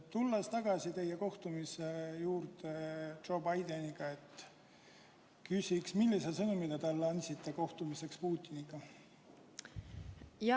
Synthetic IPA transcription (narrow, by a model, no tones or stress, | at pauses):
t̪ulːest̪ɑɡ̥ɑsit̪e̞jːe̞ko̞ht̪umisejuːɾt̪edʒ̥o̞ːbɑjd̪e̞niɡ̥ɑe̞t̪ | kysʲiksmilːisesɤnumid̪et̪ɑlːɑnʲsit̪ːe̞ko̞ht̪umise̞kspuːt̪ʲːˑiniɡ̥ɑ | jɑ